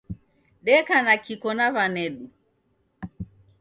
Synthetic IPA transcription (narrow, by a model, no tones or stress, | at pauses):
ɗɛkanakikɔnavanɛɗu